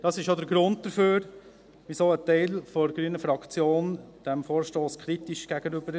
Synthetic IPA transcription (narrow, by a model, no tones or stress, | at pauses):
d̥ɑsɪʃjodəɾɡɾʊnt̚d̥əføːɾ | ʋisoːətɛɪlfɔɾɡɾyːənəfɾɑkt͡sjoːnd̥ɛmfoːɾʃtoːskʰɾitiʃɡ̥æɡ̥ənybəɾ